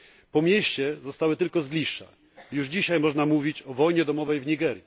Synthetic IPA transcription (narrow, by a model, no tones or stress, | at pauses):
pɔmʲjeɕt͡ɕɛzɔst̪awɘt̪ɘlkɔzɡlʲiʂɛ̰ | juʐd͡ʑiɕajmɔʐnamuvʲit͡ɕɔvɔjɲɛd̪ɔmɔvɛjvɲiɡɛɾʲji